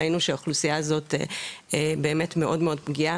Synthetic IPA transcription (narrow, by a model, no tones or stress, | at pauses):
inuʃeaχlusijaːzo̞tḛebeːme̞tme̞ʔodmeo̞dpɡia